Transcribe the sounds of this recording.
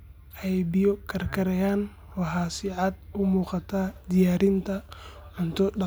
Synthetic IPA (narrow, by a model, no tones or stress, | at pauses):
ʔɛjbɪjɔkʰɐrkʰɐɾɛjaːn | wɑɦaːsɪʕɑd̪ʊmuːqɑt̪ʰaːd̪ɪjaːɾɪnt̪ʰɐ | ʕʊnt̪ʰɔɗɑ